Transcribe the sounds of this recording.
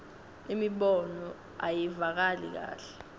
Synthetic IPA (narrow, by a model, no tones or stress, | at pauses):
imiɓɔnɔ | ajivak̬alḭk̬a̰ːɬɛ̥